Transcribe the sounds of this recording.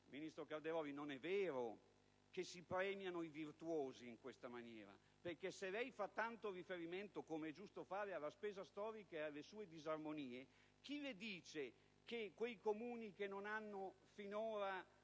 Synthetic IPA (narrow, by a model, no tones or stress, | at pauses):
minist̪ɾokald̪eɾɔːvinonɛvːeːɾo | kesːipɾɛːmjanoivirt̪woːziːŋkwest̪amanjɛ̰ːɾa̰ | perkeselɛjfat̪ːant̪orifeɾiment̪okomeɛd͡ʒust̪ofaːɾealːaspɛːzast̪ɔːɾikaealːesuːed̪izarmoniːe | k̟iled̪iːt͡ʃe | kekwejkomuːnikenːonanːo | finoːɾa